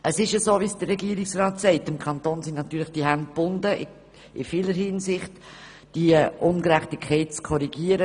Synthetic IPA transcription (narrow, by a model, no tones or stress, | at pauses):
ʔəsɪʃəsoːviːsd̥ərːɛɡiːɾɪksrɑːtsɛɪtːɪmkʰɑntoːnsɪnnɑt̪yːlɪχd̥iɦænd̚b̥ʊndəʔɪ̰ | ɪfiːləɾhinsɪχt | d̥iʔʊnɡɾæχtɪkʰːɛɪtt͡skʰɔɾiɡiːəɾə